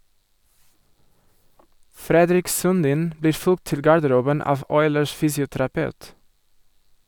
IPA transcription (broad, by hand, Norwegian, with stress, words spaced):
ˈfɾɛdɾɪk sʉnˈdiːn ˈbliː ˈfʉlɡt ˈtɪl ɡɑɾdəˈɾuːbən ˈɑːʋ ˈɔʏləʃ ˈfyːsɪʊtɾɑˌpɑʉt